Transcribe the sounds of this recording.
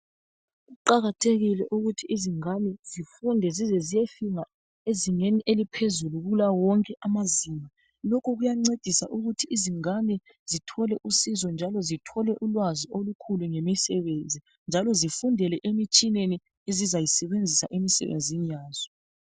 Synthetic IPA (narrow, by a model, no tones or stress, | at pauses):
ɣuǃaɣatʰeɣilɛ̰ʔuɣutʰiiziŋanɛzifundʱɛzizɛzijefiŋa | eziŋeniʔelipʰezuluɣulawɔŋkʼɛʔamaziːma | lɔkʰɔɣujaŋ͡ǀed̥ʱisa̰ʔuɣutʰiʔiziŋanɛ | z̥itʰɔlɛʔusizɔnd͡ʒʱalɔzitʰɔlɛʔulwaziolukʰuluŋemisɛβend͡zʱi | nd͡ʒʱalɔzifundʱɛlɛʔemit͡ʃʼineni | ezizajisɛβend͡zʱisa̰ʔemisɛ̰βḛnd͡zʱinijaːz̥ɔ